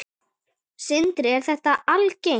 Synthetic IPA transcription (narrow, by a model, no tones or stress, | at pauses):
sɪnt̪ɾɪɛɾ̥θɛht̪aʔalce